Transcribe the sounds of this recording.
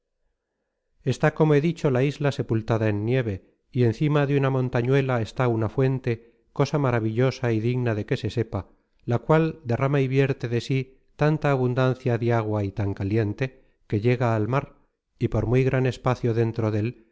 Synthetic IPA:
e̞st̪ako̞moe̞ðit͡ʃo̞laizlase̞pult̪aðaenːje̞β̞e̞ | ie̞nθimaðeunamõ̞nt̪aɲwe̞lae̞st̪aunafwe̞nt̪e̞ | ko̞samaɾaβiʎo̞saiðiɣnaðe̞ke̞se̞se̞pa | lakwald̪e̞ramaiβje̞ɾt̪e̞ðe̞si | t̪ant̪aːβund̪an̟θjaðjaɣ̞wait̪aŋkalje̞nt̪e̞ | ke̞ʎe̞ɣaːlmaɾ | ipo̞ɾmujɣɾane̞spaθjoðe̞nt̪ɾo̞ðe̞l

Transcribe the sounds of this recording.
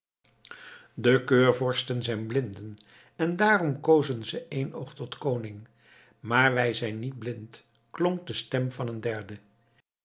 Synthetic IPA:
dəkøːɹvɔɹstənzɛjnblɪndən | ɛndaːrɔmkowzənzəʔejnowχtɔtkownɪŋ | maːɹʋɛjzɛjnːid̚blɪnt | klɔŋk̚dəstɛmvɑnəndɛɹdə

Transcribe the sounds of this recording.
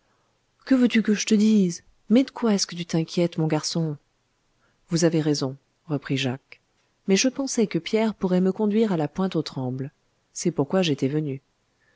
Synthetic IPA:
kəvøt̪ykəʒət̪əd̪iz | mɛd̪əkwaɛskət̪yt̪ɛ̃kʲjɛt̪mɔ̃ɡaʁsɔ̃ | vuzaveʁezɔ̃ | ʁəpχiʒak | mɛʒəpɑ̃sɛkəpjɛʁpuʁɛməkɔ̃d̪ɥiʁalapwɛ̃t̪ot̪χɑ̃bl | sɛpuʁkwaʒet̪ɛvəny

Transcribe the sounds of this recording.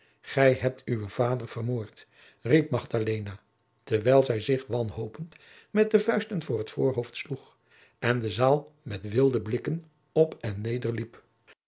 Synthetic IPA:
χɛjɦɛp̚tʰywəv̥aːdəɹv̥ərmoːɹt | rip̚mɑχdalejna | tɛɹʋɛjlˠzɛjzɪχʋɑnɦowpənt | mɛt̚dəvœɥstənvʊːrɦətfoːɹɦowftsluχ | ɛndəzaːlˠmɛtʋɪlˠdəblɪkən | ɔpɛnːejdəɹlip

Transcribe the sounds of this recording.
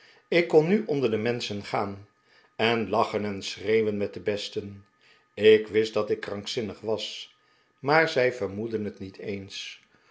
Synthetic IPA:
ɪkːɔnːyʔɔndəɹdəmɛnsənχaːn | ɛnlɑχənɛnsrejʋənmɛt̚dəbɛstən | ɪkʋɪstdɑtɪkːrɑŋksɪnəχʋɑs | maːɹzɛjvəɹmudənɦətnitʰejns

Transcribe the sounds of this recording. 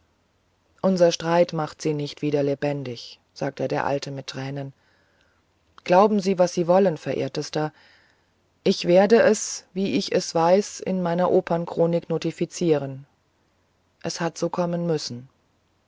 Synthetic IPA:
ʔʊnzɐʃtʁ̥aɪtmaχtz̥iːnɪçtv̥iːdɐlebɛndɪç | z̥aːk̚tədeːɐʔa̰ltʰəmɪtʰːʁ̥ɛːnən | ɡ̥laʊbm̩ziːvasz̥iːvɔlənfɛɐʔḛːɐtəstɐ | ʔɪçv̥eːɐdəʔɛsviːɪçɛsv̥aɪsɪ̰nmaɪnɐʔoːpʰɐnkʁ̥oːnɪknoːtifit͡siːʁ̞ən | ʔɛshatz̥oːkʰɔmənmʏsn̩

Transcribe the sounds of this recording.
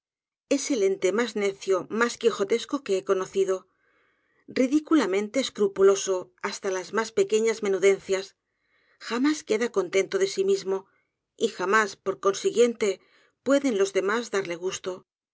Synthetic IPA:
e̞se̞le̞nt̪e̞mazne̞θjomaskixo̞t̪e̞sko̞ke̞eko̞no̞θiðo̞ | riðikulamẽ̞nt̪e̞ːskɾupulo̞so̞ast̪alazmaspe̞ke̞ɲazme̞nuðe̞n̟θjas | xamaske̞ðako̞nt̪e̞nt̪o̞ðe̞simizmo̞ | ixamaspo̞ɾko̞nsiɣje̞nt̪e̞ | pwe̞ðe̞nlo̞zðe̞mazðaɾle̞ɣ̞ust̪o̞

